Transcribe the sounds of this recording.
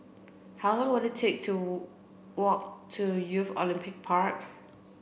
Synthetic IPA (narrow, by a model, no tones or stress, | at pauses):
haʊlɔ̃ŋwəditʰek̚tʰu | wɔk̚tʰujufɔlĩmpɪk̚pʰaɹk